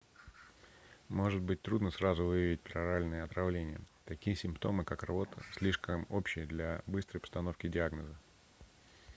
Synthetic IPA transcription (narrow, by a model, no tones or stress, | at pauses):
mo̞ʐɨd̪̚bɨtʲt̪ɾud̪nəsɾazʊvɨjəvʲɪt̚ʲpɾɐɾalʲnɨjəɐt̪ɾɐvlʲenʲɪjə̰t̪ɐkʲijəsʲɪmpt̪o̞mɨkakrabo̞t̪ʰə̰sʲlʲiʂkəmopɕɪjəd̪lʲabɨst̪ɾəjpəst̪ɐno̞fkʲɪdʲɪaɡnəzə